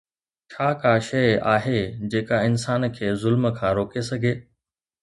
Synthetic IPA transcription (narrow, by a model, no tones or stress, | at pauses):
t͡ɕʰaːkaːʃɐjaːɦed͡ʑeːkaɪnsaːnkʰeːzʊlməkʰãːɾoːkesɐɡʱeː